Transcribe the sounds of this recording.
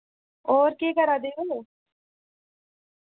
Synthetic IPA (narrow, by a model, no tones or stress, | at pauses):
oːɾkeːkəɾaːd̪eːoː